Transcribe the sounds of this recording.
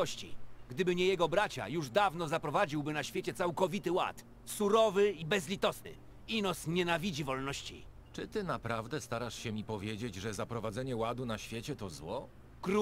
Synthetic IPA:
ɔɕt͡ɕḭɡd̪ɘbɘɲɛjɛɡɔbɾat͡ɕa̰juʐd̪avnɔzapɾɔvad͡ʑiwbɘnaɕfʲjet͡ɕɛt̪sawkɔvʲit̪ɘwa̰t̪ | suɾɔvɘibɛzlʲit̪ɔsnɘ̰ | inɔsɲɛnavʲid͡ʑivɔlnɔɕt͡ɕḭ | t͡ʂɘt̪ɘnapɾavd̪ɛst̪aɾaʂɕɛmʲipɔvʲjed͡ʑed͡ʑʐɛzapɾɔvadzɛɲɛwad̪unaɕfʲjet͡ɕɛt̪ɔzwɔ | kɾu

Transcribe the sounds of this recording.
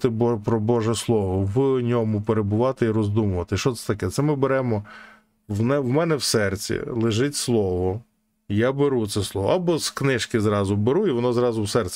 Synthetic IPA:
t̪ɪbɔpɾɔbɔʒɛslˠɔʋɔʋɪɔnʲɔmʊpeɾebʊʋɑt̪ɪiɾɔzd̪umʊʋɐt̪ɪʃt͡ʃɔt̪sɛ̥t̪ɐkɛt̪sɛmɪbeɾɛmɔ | wnɛwmɛnɛwsɛrt͡sʲḭlˠɪʒɪtʲslˠɔʋɔ | jabeɾut̪sɛslˠɔʋɔ̰ɑbɔsknɪʃkɪzɾɑzʊbeɾuiʋɔnɔzɾɑzʊwsɛrt͡sʲɛ

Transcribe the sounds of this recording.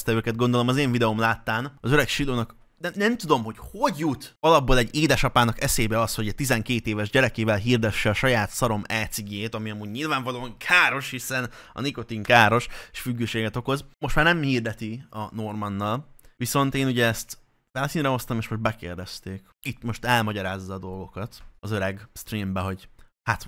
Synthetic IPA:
st̪ɛøːkɛd̪̚ɡo̞nd̪olo̞mɒzeːɱvid̪ɛomlaːt̪ːaːnɒzøɾɛkʃiloːnɒk | nɛnɛmt̪ud̪o̞mɦo̞cho̞ɟjut̪ɒlɒboːlɛɟːeːd̪ɛʃɒpaːnɒkɛseːbɛɒshoɛt̪izɛŋkeːt̪eːvɛʒɟɛɾɛkeːvɛlɦiːrd̪ɛʃːɛɒʃɒjaːt̪sɒɾo̞mɛːt̪siɡeːt̪ɒmiɒmuːɟɲilvaːɱvɒloːɒŋkʰaːɾo̞ʃhisɛnɒ̰niko̞t̪iŋkaːɾo̞ʃe̥ʃfyɡːøːʃeːɡɛt̪o̞ko̞zmoʃt̪maːrnɛmhiːrd̪ɛt̪iɒno̞rmɒnːɒlʋiso̞nt̪eːnuɟɛːst̪ | ʋɛlsiːnɾɛɦo̞st̪ɒmeːʃmo̞ʃ̚bɛkeːrd̪ɛst̪eːk | it̪mo̞ʃt̪ɛlmɒɟɒɾaːzːɒːd̪o̞lɡo̞kɒt̪ɒzøɾɛɡst̪riːmbɛɦo̞ɟ | hat̪

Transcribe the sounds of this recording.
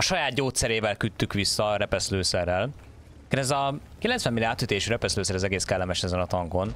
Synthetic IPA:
ɒʃɒjaːt̪ɟoːt̪sɛɾeːvɛlkyt̪ːykʋisːɒɾɛpɛsløːsɛrːɛl | kɛnɛzɒkilɛntsʋɛmːiliaːt̪ːyt̪eːʃyːɾɛpɛsløːsɛɾɛzɛɡeːskɛlːɛmɛʃɛzɛnɒt̪ɒŋɡo̞n

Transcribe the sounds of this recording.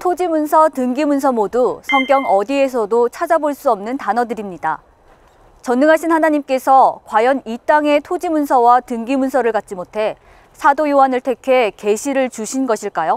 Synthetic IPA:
tʰod͡ʑimunsʰʌtɯŋɡimuns̬ʰʌmodusʰʌŋɡjʌŋʌdie̞s̬ʰʌdot͡ɕʰad͡ʑaboɭs͈uʌmnɯntanʌdɯɾimɲida | t͡ɕʌnːuŋɦaɕʰinɦanaɲimk͈e̞sʰʌkwajʌnit͈aŋe̞tʰod͡ʑimunsʰʌwatɯŋɡimunsʰʌɾɯɭkat̚t͡ɕ͈imotʰe̞ | sʰadojowanɯɭtʰe̞kʰe̞ke̞ɕʰiɾɯɭt͡ɕuɕʰinɡʌɕʰiɭk͈ajo

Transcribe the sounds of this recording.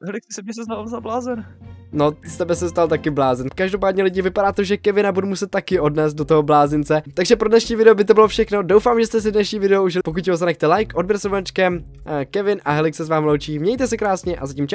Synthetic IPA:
ɦɛlɪksɪsɛbɲɛs̬ɛznallzablaːzɛnnost̪ɛbɛsɛst̪alt̪akɪblaːzɛnkaʒdopaːdɲɛlɪɟɪvɪpaɾaːt̪o̞ʒɛkɛvɪnabudumusɛt̪̚ːakɪʔo̞dnɛːzd̪̚dot̪oɦoblaːzɪnt͡sɛt̪aɡʒɛpɾodnɛʃɲiːvɪdɛobɪt̪̬obɪlofʃɛxno̞do̞wfaːmʒɛst̪ɛs̬ɪdnɛʃɲiːvɪdɛouʒɪlpo̞k̬ut̪jɛɦozanɛxt̪ɛlajkʔodbɛɾsovat͡ʃkɛm | kɛvɪnʔaɦɛlɪksɛzvaːmlowt͡ʃiːmɲɛjt̪ɛsɛkɾaːsɲɛʔa̰zacimt͡ʃa

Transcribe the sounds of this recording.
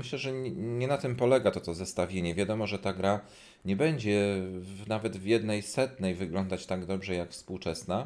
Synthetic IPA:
mɘɕlɛʐɛɲɛnat̪ɘmpɔlɛɡat̪ɔt̪ɔzɛst̪avʲjeɲɛvʲjad̪ɔmɔʐɛt̪aɡɾa | ɲɛbɛɲd͡ʑɛnavɛd̪vjɛd̪nɛjsɛt̪nɛjvɘɡlɔnd̪at͡ɕt̪aɡd̪ɔbʐɛjakfspuwt͡ʂɛsna

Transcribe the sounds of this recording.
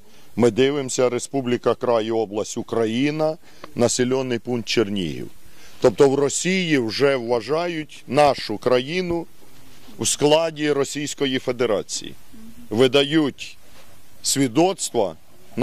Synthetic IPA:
mɪd̪ɪʋɪmsʲɐɾe̞spublʲikɐkɾɑjiɔblˠɐsʲtʲʊkɾɐjinɐ | nɐsʲelʲɔnːɪjpunt̪̚t͡ʃernʲḭɦḭw | t̪ɔp̚t̪ɔwrɔsʲijiwʒɛwːɐʒɑjʊtʲnɑʃʊkɾɐjinʊ | wsklˠɑdʲiɾɔsʲijsʲkɔjife̞d̪eɾɑt͡sʲḭjḭ | ʋɪd̪ɐjutʲ | sʲʋʲid̪ɔt̪st̪ʋɐ̰ | n

